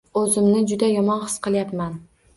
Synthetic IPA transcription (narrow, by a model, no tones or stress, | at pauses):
ɵzɪmnɪd͡ʒʊd̪ajɒmɒnχɨ̥sqɨlˠjapman